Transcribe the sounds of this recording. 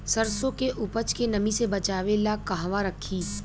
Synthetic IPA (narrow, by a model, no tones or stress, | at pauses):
sɐɾsõkeʔʊpət͡ʃkenɐmisebɐt͡ʃaːʋelakaɦʋaɾɐkʰːiː